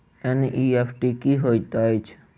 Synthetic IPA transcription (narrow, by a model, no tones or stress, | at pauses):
ɛnʔiepʰʈikiɦoit̪ajt͡ʃʰ